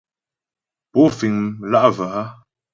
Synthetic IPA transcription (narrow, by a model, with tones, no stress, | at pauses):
po˨˦fi˨ŋ˨la˦ʔva˨a˦